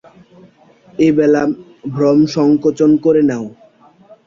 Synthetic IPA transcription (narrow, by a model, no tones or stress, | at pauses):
ebɛla | bʱɾɔmʃɔŋkot͡ɕonkoɾenao